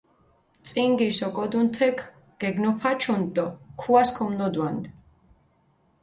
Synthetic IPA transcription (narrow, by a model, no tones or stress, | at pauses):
t̪sʼiŋɡisɔkʼɔd̪unt̪ʰɛkʰ | ɡ̥ɛɡnɔpʰat͡ʃʰunt̪ʼɔkʰuaskʰɔmnɔd̪wand̪